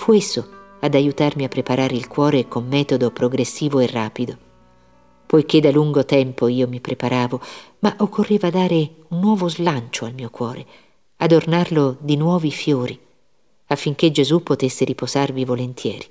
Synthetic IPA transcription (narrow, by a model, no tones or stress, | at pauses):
fuesːoad̪ajut̪armiapːɾepaɾaːɾeilkwɔːɾekomːɛːt̪od̪opɾoɡɾesːiːvoerːaːpid̪o | pojk̟ed̪ːaluŋɡot̪ɛmpoiːomipɾʔepaɾaːvomaʔokʰːorːiːvad̪ːaːɾe | unːwɔːvozlant͡ʃoalmiːokwɔːɾe | ad̪ornarlod̪inwɔːvifjoːɾi | afːiŋk̟ed͡ʒezupːot̪esːeɾipozarvivolent̪ʰjɛːɾi